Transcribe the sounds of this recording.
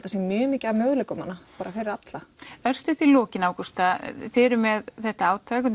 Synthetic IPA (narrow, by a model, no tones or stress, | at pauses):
t̪ːasɛmmjœːmiːcamœːɣlekʏmanːapaːɾafɪɾɪɾat̪laœr̥st̪ʏht̪ilɔːcɪnaːwkust̪aθɪːɾʏmɛðθɛht̪aaːwt̪ʰakʏ